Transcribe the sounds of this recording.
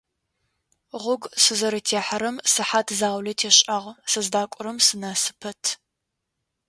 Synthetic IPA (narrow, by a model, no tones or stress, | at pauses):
ʁʷʊɡsɨzɐɾɨtʰeːħɐɾɐmsɨħaːtʰzaːwlɐtʰeːɕʼɐʁsɨzdaːkʷʼʊɾɐmsɨnɐsɨ̥pʰɐtʰ